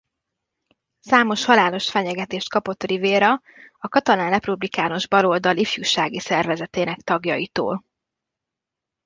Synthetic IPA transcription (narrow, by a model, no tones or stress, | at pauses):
saːmo̞ʃhɒlaːlo̞ʃfɛɲɛɡɛt̪eːʃt̪̚kɒpo̞t̪ːriveːɾɒ | ɒkɒt̪ɒnaːnrɛprublikaːno̞ʒbɒlo̞ld̪ɒlifjuːʃaːɡisɛrvɛzɛt̪eːnɛkt̪ɒɡjɒjit̪o̰ːl